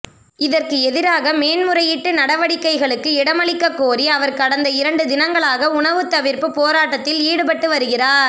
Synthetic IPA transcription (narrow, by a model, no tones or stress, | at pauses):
ɪðɐrkɯɛðɪɾaːɣɐmeːnmɯɾɐjɪʈːɯnɐɽɐʋɐɽɪkːɐɪɣɐɭɯkːɯɪɽɐmɐɭɪkːɐkːoːriɐʋɐɾkɐɽɐnd̪ɐɪɾɐɳɖɯd̪ɪnɐŋɡɐɭaːɣɐʊɳɐʋɯt̪ːɐʋɪɾpɯpoːɾaːʈːɐt̪ːɪliːɽɯpɐʈːɯʋɐɾɯɣɪraːɾ